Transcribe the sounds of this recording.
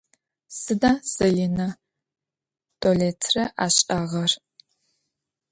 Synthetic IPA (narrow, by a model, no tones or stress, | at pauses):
sɨdaːsɐlinɐ | tʼoleːtʰrɐʔaːɕʼaːʁɐr